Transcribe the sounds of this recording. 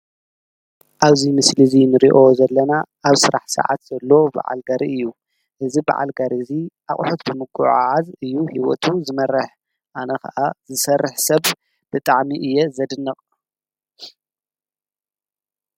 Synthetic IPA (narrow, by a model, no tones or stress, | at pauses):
ʔaβzimɨslɨzinɨɾiʔo̞zɐlːɐnaʔaβsɨɾa̰ħsɨ̰ʕa̰t̪z̥ɐlːoba̰ʕa̰lɡaɾʔiɨjːu | ʔɨziba̰ʕa̰lɡaɾiziʔaχʼħot̪bɨmɨɡuʕʕazɨjːuhiwɔ̰t̪ʰuzɨmɐrːɨħ | ʔanɐkɐ̰ʔazɨsɐrːɨħsɐβ | b̥ɨt̪ʼaʕmiʔɨjːɛzɐd̪ɨnːɐqʼ